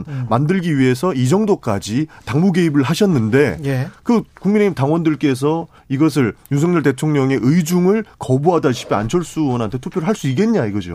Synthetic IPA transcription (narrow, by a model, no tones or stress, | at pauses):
nmandɯɭɡiɥiɦe̞sʰʌid͡ʑʌŋdok͈ad͡ʑitaŋmuɡe̞ibɯɭɦaɕʰʌnːɯnde̞jekɯkuŋmine̞imtaŋwʌndɯɭk͈e̞s̬ʰʌ | iɡʌs̬ʰɯɭjusʰʌŋɲʌɭte̞tʰoŋɲʌŋe̞ʔɯid͡ʑuŋɯɭkʌbuɦadaɕʰi̥pʰea̰nt͡ɕʰʌɭs͈uwʌnɦantʰe̞tʰupʰjoɾɯɭɦaɭs͈uik̬͈e̞nɲaiɡʌd͡ʑo̰